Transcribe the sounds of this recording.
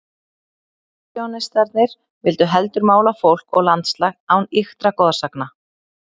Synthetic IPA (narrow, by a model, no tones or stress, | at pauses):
jɔwnɪst̪aɾt̪nɪɾ̥ | vɪlt̪ʏɦɛlt̪ʏɾmaːwlafowl̥kɔɣlant̪slaɣawnixt̪ɾakɔːðasakna